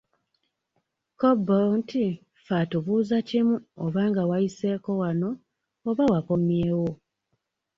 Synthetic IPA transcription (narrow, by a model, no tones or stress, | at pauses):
kobːonti | fatuβuːzacimuo̰βaːŋɡawajise̞ːko̞wano̞ː | βawako̞mjeːwo